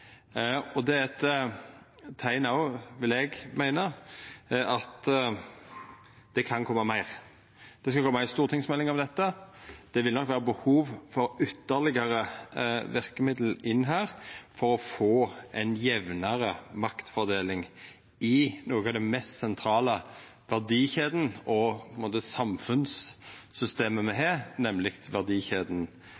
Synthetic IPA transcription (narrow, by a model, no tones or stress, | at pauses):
ɔd̪ɛɛt̪ | t̪ʰːæɪnɑʊʋɪlɛɡmæɪnə | ɑt̪ | d̪̥ɛkʰɑnkʰɔmːəɑmæɪʁ | d̪̥ɛskɑlkɔmːɑɪst̪uːʁt̪ʰɪŋsmɛlːɪŋɑʋd̪ɛt̪ːəd̪̥ɛʋɪlnɔkʋæːʁəbəhuːʋfɔɾʏt̪ːəɾlɪɡəʁəʋɪʁkəmɪd̪l̩ɪnːɦæːʁfɔɾɔfoːʔɛɪnjɛʋnəɾəmɑkt̪fɔɾd̪eːlɪŋ | ɪnoːɡɑʋd̪ɛnmɛst̪sɛnt̪ʰɾɑːlə | ʋæʁd̪iːçeːd̪n̩ɔpʰɔɪnmoːt̪əsɑmfʉnsːʏst̪eːməmɛɦeːɾnɛmlɪkt̪ʋæʁd̪iːçeːd̪n̩